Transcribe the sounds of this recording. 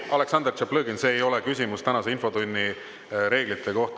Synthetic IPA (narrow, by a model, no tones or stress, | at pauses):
ɑle̞ksɑnd̪ert͡ʃeplɤːɡinse̞ːejo̞lekysʲimust̪ænɑse̞info̞t̪unʲːi | ɾe̞ːɡ̥lit̪ʰːˑe̞ko̞ht̪